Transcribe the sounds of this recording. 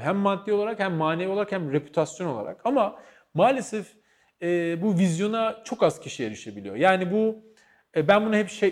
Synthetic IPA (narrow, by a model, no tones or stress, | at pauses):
ɦæmːant̪ʰːioaɾakhæmːaːneviolˠaɾakhæmɾe̞pʰy̥t̪ʰasjo̞no̞lˠa̰ɾa̰kama | maːlʲesɛf | ɛːbuvizjo̞nat͡ʃʰo̞kaz̥cʰiʃijeɾiʃebilḭjo̞̰jaːnibuː | bænbunaɦɛpʃe